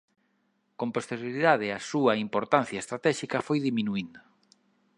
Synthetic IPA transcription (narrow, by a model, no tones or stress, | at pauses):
kõmpost̪eɾjoɾiðað̞ɪɐsuɐimpoɾt̪anθjɐest̪ɾat̪ɛʃikɐfojðimĩnuind̪o